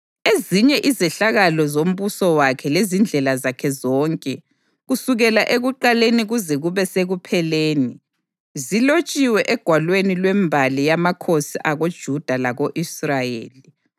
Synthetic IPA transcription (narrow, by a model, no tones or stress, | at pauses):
eziɲɛʔizɛɬaɣalɔzom̩βusɔwakʰɛlezind͡ɮʱɛlazakʰɛzɔːŋkʼɛ | ɣusuɣɛlaʔeɣuǃaleniɣuzɛɣuβɛseɣupʰɛleːni | zilot͡ʃʼiwɛʔɛɡ̥ʱwalwenilwɛmbʱalijamakʰosiʔaɣod̥ʒ̥ʱud̥ʱalaɣoʔisrajḛːli